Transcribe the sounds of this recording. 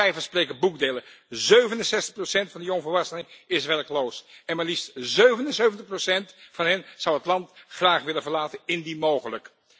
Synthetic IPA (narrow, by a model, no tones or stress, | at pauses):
ɛjvəsprejkəbukdeləzøɥvənənsɛstə̥χprosɛntfɑndiɔnvəɹʋɑsənɪŋɪsʋɛɹklowsɛnmɛlistzøɥvənənsøɥvəntəχprosɛntfɑnɦɛnz̥ʌwɦətlɑntχraːχʋɪləvəɹlaːtənɪndimowχələk